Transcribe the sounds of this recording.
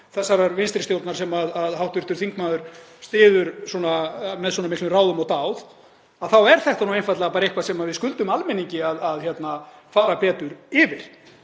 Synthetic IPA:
θɛsːaɾaɾvɪnst̪ɾɪst̪jowlt̪naɾ̥sɛmaðaðhawht̪vʏrt̪ʏɾ̥θiŋk̚maðʏɾ̥st̪ɪːðʏɾswɔnamɛðswɔnamɪhklʏmraːwðʏmɔɣt̪aːwð | aðθawɛɾ̥θɛht̪anuwejnfajt̪lɛɣapaːɾehkvasɛmaðvɪðskʏlt̪ʏmalmɛniɲcɪaðaðçjɛt̪na | faːɾapɛːt̪ʏɾɪvɪɾ̥

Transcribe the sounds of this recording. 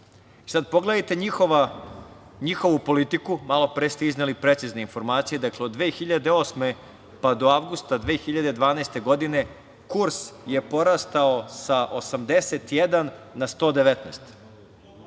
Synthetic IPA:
isad̪̚po̞ɡled̪ajt̪e̞ɲixoa | ɲixo̞ʋupo̞lit̪ikumalˠo̞pɾest̪eiznelipɾet̪sizneinfo̞ɾmaːt̪sijed̪akleod̪ːʋeːxiʎad̪eo̞ːsme̞ | pad̪o̞aʋɡust̪ad̪ʋeːxiʎad̪e̞d̪ʋaːnast̪e̞ɡo̞d̪ine̞ | kuɾsje̞po̞ɾast̪aosaʔosamd̪eset̪jed̪anːast̪o̞ːd̪e̞ʋet̪nɛ̰st̪

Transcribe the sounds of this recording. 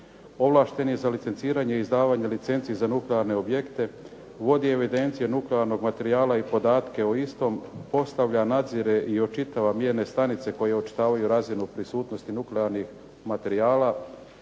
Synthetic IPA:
o̞ʋlˠaʃt̪e̞njezalit̪sent̪siːɾaɲeizd̪aːʋaɲelit̪se̞nt̪sizanukleaɾne̞o̞bje̞kt̪e̞ | ʋo̞d̪ie̞ʋid̪e̞nt̪sijenukleaɾno̞ɡmat̪e̞ɾiaːlˠaipo̞d̪aːt̪keoist̪o̞mpo̞st̪aʋʎanad̪ziɾe̞ʔio̞t͡ʃit̪aʋamjeɾne̞st̪anit̪se̞ko̞je̞ot͡ʃi̥t̪aːʋajuɾazinupɾisuːt̪no̞st̪inukleaɾnix | mat̪e̞ɾiaːla

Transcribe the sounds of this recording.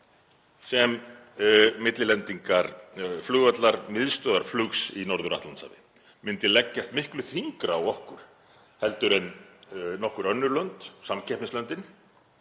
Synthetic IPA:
sɛm | mɪt̪lɪlɛnt̪iŋkaɾflʏɣvœt̪laɾmɪðst̪œːðaɾ̥flʏksinɔɾðʏɾa̰ht̪ant̪sa̰ðɪ | mɪnt̪ɪlɛcːast̪mɪhklʏθiŋkɾaːwɔhkʏɾ̥ | hɛlt̪ʏɾɛnnːɔhkʏɾœnːʏɾlœnt̪samcʰɛhpnɪslœnt̪ɪn

